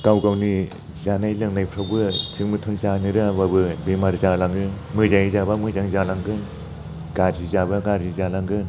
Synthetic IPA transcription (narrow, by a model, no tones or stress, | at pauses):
kawɡawni | zanajlɯŋnajpʰɾawbɯt͡ʃʰɯŋmɯtʰunzaniɾɯababɯbimaɾzalaŋɡɯn | mɯzaŋizabamɯzaŋzalaŋɡɯn | ɡaɾzizabaɡaɾzizalaŋɡɯn